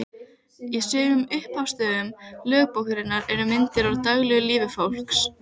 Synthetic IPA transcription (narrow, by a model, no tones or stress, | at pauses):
isʏːɣʏmʏhphawst̪œːðʏmlœːɣpowhɾɪnːaɾɛɾʏmɪnt̪ɪɾawɾt̪aɣlɛɣʏliːvʏfawl̥ks